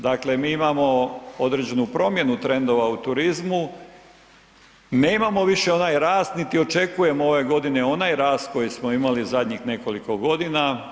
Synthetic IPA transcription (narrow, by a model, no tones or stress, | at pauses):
d̪akle̞miːimamo̞o̞d̪ɾed͡ʑe̞nupɾo̞mje̞nut̪ɾe̞nd̪o̞ʋaut̪uɾizmu | neimamo̞ʋiʃe̞o̞naːjɾaːst̪nit̪io̞t͡ʃe̞kuje̞moo̞ʋe̞ɡo̞d̪ine̞o̞naːjɾaːst̪̚ko̞jismoimalizad̪ɲixne̞ko̞liko̞ɡo̞d̪ina